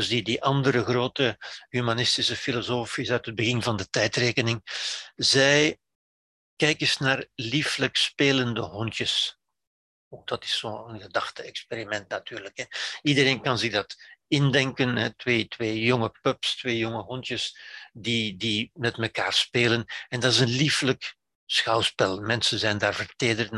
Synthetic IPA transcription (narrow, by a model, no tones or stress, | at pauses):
zdidiʔɑndəɾəɣroːtəɦymanɪstɪsəfilozoːfisœɥtɦəd̚bəɣɪnvɑndətɛjtreːkənɪŋzɛj | kɛjkɪsnaːrlifləkspeːləndəɦɔntjəs | ok̚d̥ɑtɪ̥sːoːənɣədɑxtəɛkspeɾimɛntnatyːrləkɦɛidəreːnkɑnzɪɣdɑtɪndɛŋkənɦɛtʋeːtweːjɔŋəpœpstʋeːjɔŋəɦɔntjəsdidimɛtməkaːrspeːlənɛndɑtɪsənliflək | sxɑwspɛlˠmɛnsənzɛjndaːrvərteːdərt